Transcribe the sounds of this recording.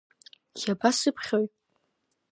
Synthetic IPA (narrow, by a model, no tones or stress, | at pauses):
jʲabasɨpʰχʲoɥʼ